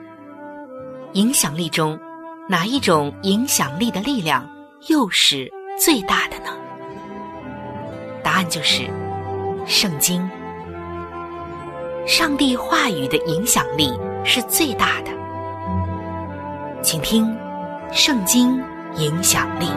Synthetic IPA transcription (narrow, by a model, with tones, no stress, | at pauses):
i˧˥ŋɕjɑ˨˩ŋli˥˩ʈ͡ʂʊ˥ŋ | na˨˩i˥˩ʈ͡ʂʊ˨˩ŋi˧˥ŋɕjɑ˨˩ŋli˥˩d̪ə˩li˥˧ljɑ˥˩ŋ | jo˥˧ʊʂɻ̩˥˩ | t͡swe˥˧ɪt̪a˥˩d̪ə˩nə˩ | t̪a˧˥a˥˧nt͡ɕjo˥˧ʊʂɻ̩˥˩ | ʂɤ˥˩ŋt͡ɕi˥ŋ | ʂɑ˥˧ŋt̪i˥˧xwa˥˩y˨˩d̪ə˦ʔi˧˥ŋɕjɑ˨˩ŋli˥˩ʂɻ̩˥˧t͡swe˥˧ɪt̪a˥˩d̪̥ə˩ | t͡ɕʰi˨˩ŋt̪ʰi˥ŋ | ʂɤ˥˩ŋt͡ɕi˥ŋ | i˧˥ŋɕjɑ˨˩ŋli˥˩